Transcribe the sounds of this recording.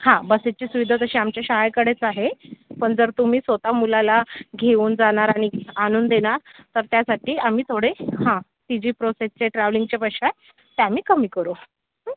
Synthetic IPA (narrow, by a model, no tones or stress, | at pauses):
hãbəset͡ɕiːsuʋid̪ʱat̪əɕiamt͡ɕjaɕaɦajkəɽet͡saɦepəɳd͡zəɾt̪um̤iːsʋət̪amulalaɡʱeuːnd͡zaɳ̃aɾaɽ̃iɡʱanuːnd̪eɽ̃aɾt̪əɾt̪jasaʈiːam̤iːt̪ʰoɽehã | ʈ̪id͡ʑiːpɾosest͡ɕeʈɾaʋliŋɡt͡ɕepəɕa | t̪eamiːkəmiːkəɾo